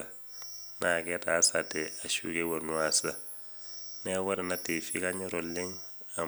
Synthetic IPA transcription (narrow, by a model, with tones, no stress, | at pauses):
a˨ | nʔa˨ke˦ta˨˦sa˨te˨a˨ʃṵ˦ke˦wo˨nu˦a˨sa˨ | ne˦wa˦ɾe˨na˦te˨fi˦ka˦ɲɔ˦ɾo˨lɪ˦ŋ | a˨